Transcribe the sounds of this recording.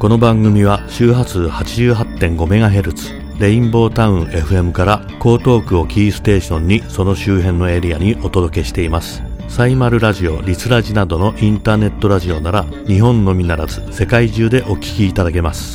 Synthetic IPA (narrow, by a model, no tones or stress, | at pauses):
ko̞no̞bãŋɡɯ̟mʲiβaɕɨːɦat͡sɨhat͡ɕiʑɨːɦat̪ːẽ̞ŋɡo̞me̞ɡaɦe̞ɾɯ̟t͡sɨ̥ | ɾe̞ĩmbo̞ːt̪aɯ̟̃e̞ɸɯ̟e̞mɯ̟kaɾa | ko̞ːt̪o̞ːkɯ̟o̞kʲiːsɨ̥t̪e̞ːɕõ̞ɲ̟ːiso̞no̞ɕɨːɦẽ̞nːo̞e̞ɾʲijaɲ̟iʔo̞t̪o̞d̪o̞ke̞ɕi̥t̪e̞imasɨ̥ | saimaɾɯ̟ɾaʑio̞ɾʲit͡sɨɾaʑinad̪o̞no̞ʔĩnt̪aːne̞t̪ːo̞ɾaʑio̞naɾa | ɲ̟iɦõ̞nːo̞mʲinaɾazɨse̞kaiʑɨːd̪e̞ʔo̞kʲi̥kʲiːt̪ad̪ake̞masɨ̥